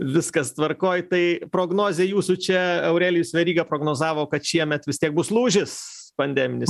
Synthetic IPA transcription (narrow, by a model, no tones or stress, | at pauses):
ʋʲɪskɐst̪ʋɐrkoːjt̪ɐɪpɾoːɡnoːzʲeːjuːsʊt͡ʃʲɛɐʊɾʲæːlʲɪjʊsʲʋʲɛɾʲiːɡɐpɾoːɡnoːzɑːʋoːkɐt̪ʃʲiɛmʲɛt̪ʋʲɪstʲiɛk̚bʊslˠuːʒʲɪspɐnʲd̪ʲæːmʲɪnʲɪ